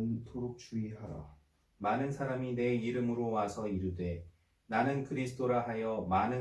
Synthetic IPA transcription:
ntoɾuk̚t͡ɕ͈uiɦaɾa̰ | manɯnsʰaɾamine̞iɾɯmɯɾowasʰʌiɾudwe̞ | nanɯnkɯɾisʰɯ̥t͈ʰoɾaɦajʌmanɯ

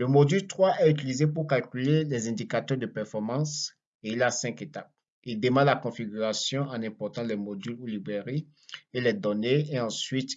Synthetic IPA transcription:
ləmod̪ylt̪χwaʔɛyt̪̬ilizepuʁkalkʲylelɛzɛ̃d̪ikat̪œʁd̪əpɛʁfɔʁmɑ̃s | eilasɛ̃ket̪ap̚ | ild̪emɑ̃d̪lakɔ̃fiɡyʁasjɔ̃ɑ̃nɛ̃pɔʁt̪ɑ̃lɛmod̪ylulibʁeʁi | elɛd̪ɔneeɑ̃sɥit̪

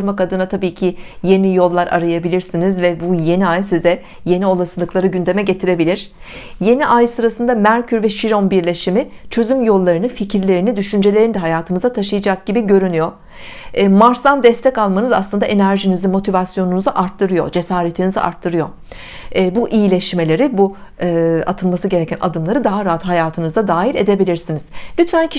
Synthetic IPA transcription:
ɯɾmakad̪ɯnat̪ʰabiːcʰije̞nijo̞lˠːaɾʔa̰ɾajabilʲiɾsinizvɛbuje̞niajsizɛ | je̞nio̞lˠasɯlˠɯklˠaɾɯɟynd̪e̞mɛɟe̞t̪ʰiɾe̞bilʲiɾ̥ | je̞niʔajsɯɾasɯnd̪amæɾcʰyɾvɛʃiɾo̞nbiɾlʲe̞ʃimit͡ʃʰø̞zymjo̞lˠːaɾɯnɯficʰiɾlʲe̞ɾinid̪yʃynd͡ʒe̞lʲe̞ɾinid̪ɛɦajaːt̪ʰɯmɯzat̪ʰaʃɯjad͡ʒak̚ɟ̥ibiɟø̞ɾynyjo̞ | maɾsd̪and̪ɛst̪ʰɛcalˠmanɯzaslˠɯnd̪aʔe̞næɾʒinizimo̞t̪ʰivasjo̞nunuzaʔaɾt̪ʰːɯɾɯjo̞̰d͡ʒe̞saːɾe̞t̪ʰiniziʔa̰ɾt̪ʰːɯɾɯjo̞̰ː | buʔijilʲeʃme̞lʲe̞ɾibu | a̰t̪ʰɯlˠmasɯɟe̞ɾecʰænʔa̰d̪ɯmlˠaɾɯd̪aɦaɾaɦat̪ɦajaːt̪ʰɯnɯzad̪aːɦiɾe̞d̪e̞bilʲiɾsiniz̥lʲyt̪fæncʰi

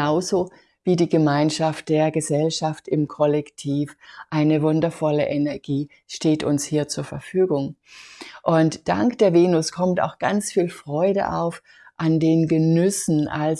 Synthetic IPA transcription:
aʊzoː | viːdiːɡəmaɪnʃaft̚d̥eːɐɡəzɛlʃaftɪmkʰɔlɛktʰiːfʔaɪnəvʊndɐfɔləʔenɛɐɡiː | ʃteːtʰʊnshiːɐt͡suːɐfɛɐfyːɡʊŋ | ʔʊntd̥a̰ŋkd̥eːɐveːnʊskʰɔmta̰ʊxɡ̥a̰nt͡sfiːlfʁ̥ɔʏɾə̰ʔa̰ʊf | ʔandeːnɡənʏsn̩ʔa̰l

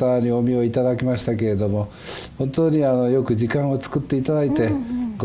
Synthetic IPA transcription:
aaɲio̞mʲio̞it̪ad̪akʲimaɕi̥t̪ake̞ɾe̞d̪o̞mo̞ | hõ̞nt̪oːɲ̟iano̞jo̞kɯ̟d͡ʑikãɰ̃o̞t͡sɨ̥kɯ̟t̪ːe̞it̪ad̪ait̪e̞ɡ

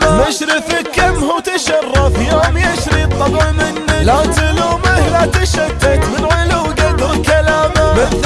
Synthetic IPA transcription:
maʃɾɪfɪkːamhuwt̪aʃɑrːɑfjoːmjaʃɾit̪ˤːɑbʕmɪnːɪlat̪ɪluːmɪhlaːt̪aʃad̪ːat̪mɪnʕʊluːɡad̪ɪlkalaːmabɪ

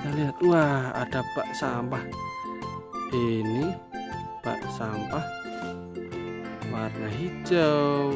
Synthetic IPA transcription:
kaliat̪uaa̰d̥apaʔsampah | ini | pa̰ʔsampah | warnaɦit͡ʃəw

